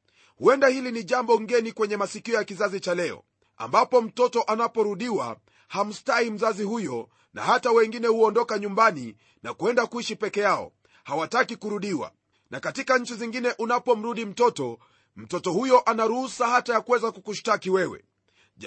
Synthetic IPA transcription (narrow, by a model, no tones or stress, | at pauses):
huɛndahiliniʄambɔŋɡɛnikwɛɲɛmasikiɔjakizazit͡ʃalɛɔ̰ | a̰mbapɔm̩tɔtɔʔanapɔɾuɗiwa̰ | ham̩stahim̩zazihujɔ | na̰hatawɛŋɡinɛhuɔndɔkaɲumbani | na̰kuɛndakuiʃipɛkɛjaɔ̰ | hawatakikuɾuɗiwa̰ | nʔakatikaɲ̩t͡ʃiziŋɡinɛʔunapɔm̩ɾuɗim̩tɔtɔ | m̩tɔtɔhujɔʔanaɾuhusahatajakuwɛzakukuʃtakiwɛwɛ̰